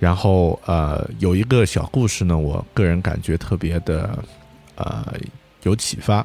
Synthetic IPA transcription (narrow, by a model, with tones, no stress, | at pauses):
ɻa˧˥nxo˥˩ʊə̰˧jo˨˩ʊi˧˥ɡə˧ɕjɑ˨˩ʊku˥˧ʂɻ̩˨˩nə˩wɔ̰˨˩kɤ˥˩ɻə˧˥nka̰˨˩nt͡ɕɥɛ˧˥t̪ʰɤ˥˩pjɛ˧˥d̪ə˧ | ə̰˧˩ | jo˧˥ʊt͡ɕʰḭ˨˩fa˥